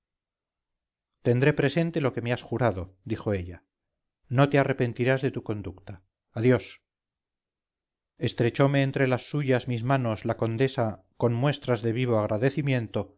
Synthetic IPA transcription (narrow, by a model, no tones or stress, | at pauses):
t̪e̞nd̪ɾe̞pɾe̞se̞nt̪e̞lo̞ke̞measxuɾaðo̞d̪ixo̞e̞ʎa | no̞t̪eare̞pe̞nt̪iɾazðe̞t̪uko̞nd̪ukt̪aː | ðjo̞s | e̞st̪ɾe̞t͡ʃo̞me̞ːnt̪ɾe̞lasːuʝazmizmano̞slako̞nd̪e̞sa | ko̞nmwe̞st̪ɾazðe̞β̞iβ̞o̞aɣ̞ɾʔaðe̞θimjẽ̞nt̪o̞